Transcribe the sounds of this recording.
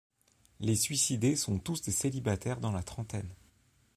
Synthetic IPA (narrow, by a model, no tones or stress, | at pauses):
lesɥisid̪esɔ̃t̪usd̪eselibat̪ɛʁd̪ɑ̃lat̪χɑ̃t̪ɛn